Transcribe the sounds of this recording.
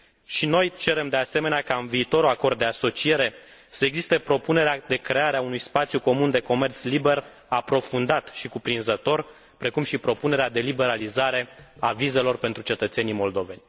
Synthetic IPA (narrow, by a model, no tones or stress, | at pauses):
ʃino̞jt͡ʃe̞ɾe̞md̪e̞ase̞me̞neakaɨnviːt̪o̞ɾuako̞rd̪̚d̪e̞aso̞t͡ʃie̞ɾe̞ | səeɡzist̪e̞pɾo̞pune̞ɾead̪e̞kɾe̞aɾeaunujspat̪sʲjuko̞mund̪e̞ko̞me̞rt̪slibe̞r | apɾo̞fund̪at̪ʃikupɾinzət̪o̞r | pɾe̞kumʃipɾo̞pune̞ɾead̪e̞libe̞ɾalizaɾe̞avize̞lo̞rpe̞nt̪ɾut͡ʃe̞t̪ət̪se̞nijmo̞ld̪o̞ve̞nʲ